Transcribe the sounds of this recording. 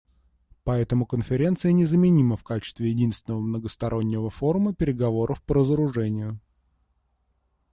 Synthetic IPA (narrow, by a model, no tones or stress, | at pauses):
pɐɛt̪əmʊkənfʲɪɾʲe̞nt̪sɨjənʲɪzəmʲɪnʲiməfkat͡ɕɪ̥st̪vʲɪjɪdʲinst̪vʲɪnəvəmnəɡəst̪ɐɾʔo̞nʲːɪvəfo̞ɾʊməpʲɪɾʲɪɡɐvo̞ɾʔəfpəɾəzəɾʊʐɛnʲɪjʊ